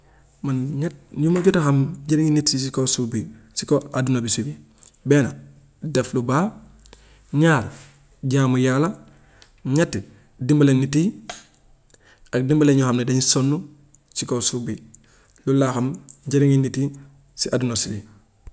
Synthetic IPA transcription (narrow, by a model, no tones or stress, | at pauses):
manɲat̚ɲumaɟutaxamɲɟeɾiŋinitsisikosubisikoadunobisibi | beːna | deflubaː | ɲaːɾ | ɟaːmujala | ɲat | dimbalenːiti | ak̚dimbaleɲuhamnedaɲsonːu | sikosubi | lulːaxamɲɟeɾiŋinːiti | siʔadunosibi